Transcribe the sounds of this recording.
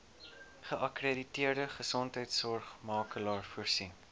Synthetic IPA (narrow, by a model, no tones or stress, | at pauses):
χəʔɐkreditiərdəχəsɔntɦəjtsɔrχmɑːkəlɑːrfuərsin